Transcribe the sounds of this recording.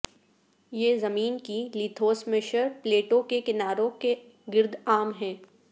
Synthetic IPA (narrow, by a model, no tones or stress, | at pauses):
jeːzɐmiːnkiliːt̪ʰoːsmeʃəɾpleːʈõkekɪnaːɾõke | ɡɪɾd̪ʱaːmɦɛ̃ː